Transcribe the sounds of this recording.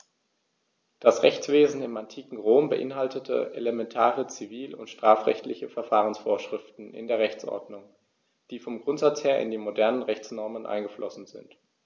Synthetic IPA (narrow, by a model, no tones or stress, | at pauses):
d̥asʁɛçt͡sv̥eːzn̩ɪmantʰiːkŋ̩ʁoːmbəʔɪnɦaltətʰə̰ʔḛləmɛntʰaːʁət͡siviːlʊ̰ntʃtʁ̥aːfʁ̥ɛ̰çtlɪçəfɛɐfaːʁənsfoːɐʃʁ̥ɪftn̩ʔɪ̰ndeːɐʁɛçt͡sʔɔ̰ɐdnʊŋ | d̥iːfɔmɡʁʊntz̥at͡sheːɐʔɪ̰ndiːmodɛɐnənʁɛçt͡snɔɐmənʔa̰ɪnɡəflʔɔsn̩zɪ̰nt